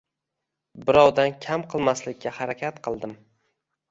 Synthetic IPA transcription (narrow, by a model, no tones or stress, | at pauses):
bɪɾɒwd̪ankʲʰamqʰɨlˠmaslɪkʲːahaɾakʲʰat̪qʰɨlˠd̪ɪm